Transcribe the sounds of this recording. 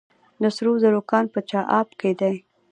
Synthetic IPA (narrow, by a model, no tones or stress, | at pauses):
d̪əsɾuzəɾokɑnpət͡ʃɑʔɑbked̪aj